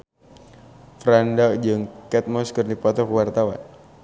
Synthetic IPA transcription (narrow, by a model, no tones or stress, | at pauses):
fɾandakd͡ʒɨŋkɛt̪̚mɔskərnipɔt̪ɔkwart̪awa̰n